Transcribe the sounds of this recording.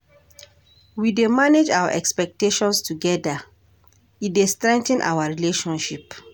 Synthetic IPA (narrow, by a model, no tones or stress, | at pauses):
widemaned͡ʒawa̰ʔɛkspɛk̚teʃɔ̃nstʰuɡɛda | idestɾɛ̃ŋktɛ̃nʔa̰waɹileʃɔ̃nʃip